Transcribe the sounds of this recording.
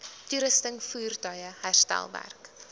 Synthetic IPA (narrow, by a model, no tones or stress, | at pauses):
tuɾəstəŋfuːrtɐjəhærstæ̰lˠvæ̰rk